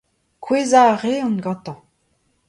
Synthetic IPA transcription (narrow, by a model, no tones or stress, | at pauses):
kʰwezaʁeɔ̃nɡɑ̃t̪ɑ̃